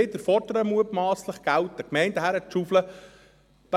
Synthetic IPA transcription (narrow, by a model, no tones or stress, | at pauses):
ɪd̪əɾfɔɾdəɾəmuətmaːsləχɡ̥æltəkmɛɪntdæɦæɾɛt̪ʃuflə | d̥ɑ